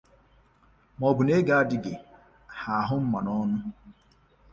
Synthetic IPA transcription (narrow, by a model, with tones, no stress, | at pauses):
mɔ˨bʊ˨ne˦ɡa˦a˦dɪ˦ɡe˨ | ha˨ɦʊ˦m̩˦ma˨nɔ˦nʊ˦